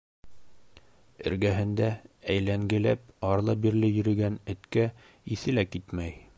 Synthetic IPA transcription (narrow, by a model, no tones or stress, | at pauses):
ɘ̰̆ɾɡæɦɘ̆nd̪ææjlæŋɡɘ̆læpɑɾlˠɑbiɾlɘjɵ̆ɾɘ̆ɡænɘ̆t̪kæ | iθɘ̆lækit̪mæj